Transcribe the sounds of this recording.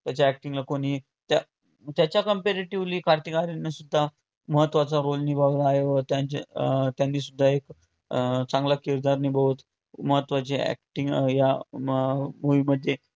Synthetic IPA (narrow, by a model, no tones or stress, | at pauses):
t̪jat͡ɕaɛk̚ʈiŋɡlakoɽ̃i | t̪a | t̪jat͡ɕjakəmpeɾeʈiʋliːkʰaɾt̪ikaɾinːisud̪ʱːa | məɦət̪ːʋat͡saɾolnibʱaʋlaaɦeʋət̪jat͡ɕa̰t̪janːiːs̬ud̪ʱːaek | t͡sãŋɡlakiɾd̪aɾnibəut̪ | məɦət̪ːʋat͡seæ̰k̚ʈĩŋɡja | muʋiməd̪ʱːje